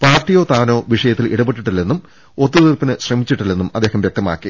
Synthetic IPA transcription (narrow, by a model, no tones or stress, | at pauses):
paːrtijo̞ːt̪aːno̞ːʋiʂɐjɐt̪ːilʔiɽɐbeʈːiʈːilːe̞nːum | ot̪ːuðirpinɨɕrɐmit͡ɕːiʈːilːe̞nːumɐd̪ːe̞ːɦhɐmʋjek̚t̪ɐma̰ːkːi